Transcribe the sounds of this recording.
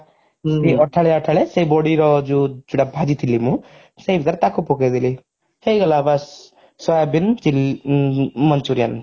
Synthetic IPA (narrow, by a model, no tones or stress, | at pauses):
siɔʈʰaɭeaʈʰaɭesejbɔɽiɾɔd͡ʒud͡ʒuɽabʱad͡ʒit̪ʰilimũ | sejbit̪aɾt̪akʰupoked̪ili | hejɡɔlabas | sɔjabint͡ʃil | mʌnt͡ʃuɾijan